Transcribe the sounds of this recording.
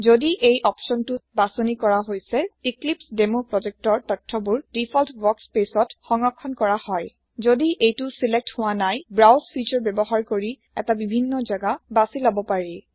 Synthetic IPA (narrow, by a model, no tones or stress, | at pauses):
zodiʔejʔɔpsɔntubasonikɔɹaɦojsɛiklipsdemopɹɔzek̚tɔɹtɔtʰːɔbuɹdipʰɔltbɔkspesɔtxɔŋɔkʰːɔnkɔɹahɔj | zodiʔejtusilek̚thʊwanajbɹawspʰit͡ʃɔɹbɛbɔɦaɹkoɹi | ɛ̰tabibʱinːɔzaɡabasilɔbɔpaɹi